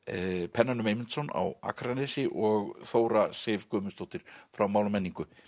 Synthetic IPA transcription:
pʰɛnːanʏmejmɪnt̪sɔna̰wa̰kʰaɾanɛsɪʔɔɣθoːwɾaseːvkœːmʏst̪owht̪ɪɾ̥fɾawmaːwlmɛnːiŋkʏ

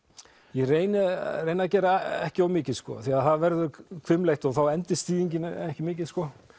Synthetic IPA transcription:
jɛreːjnɪreːjnaðcɛːɾaɛhcɪawmɪːcɪðskɔ̰θiaðθaðvɛɾðʏɾkʰvʏmlejht̪ɔɣθawɛnt̪ɪst̪iːðiɲcɪnɛhcɪmɪːc̬ɪð̥skɔ

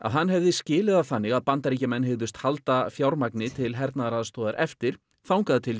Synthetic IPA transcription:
a̰ðɦanːɦɛvðɪscɪːlɪðaθanːɪɣaðpant̪aɾicamɛnːhɪɣðʏst̪halt̪afjawɾmaknɪt̪ʰɪlɦɛɾt̪naðaɾaðast̪ɔːðaɾʔɛft̪ɪɾ̥ | θawŋkaðt̪ʰɪl

